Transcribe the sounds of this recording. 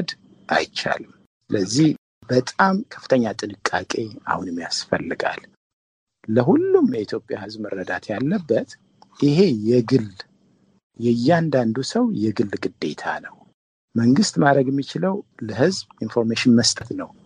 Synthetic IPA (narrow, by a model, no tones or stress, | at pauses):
d̪ | ʔa̰jt͡ʃa̰lɨm | sɨləzːih | bət̪ʼamkʰə̥fːɨ̥t̪ʰəɲːat̪ʼɨnɨkʼːakʼe̞a̰hunɛmːija̰sfəlːɨɡa̰l | ləɦulːumjɛit̪ʰjo̞pʼja̰hɨzbməɾːəd̪at̪ʰjalːəbːət̪ | ʔiɦe̞jɛɡɨl | jɛjːɛand̪and̪usəwjɛɡɨlːɡɨd̪ːe̞̰t̪ʰa̰nəw | məŋɡɨst̪ʼmad̪ɾəɡjɛmːit͡ʃɪləwləhɨzbinfo̞ɾmeʃɪnməst̪ʼət̪nəw